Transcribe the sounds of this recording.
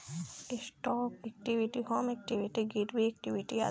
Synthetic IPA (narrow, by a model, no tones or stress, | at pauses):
isʈɔːkek̚ʈiʋiʈihoːmek̚ʈiʋiʈiɡiʈbiek̚ʈiʋiʈia̰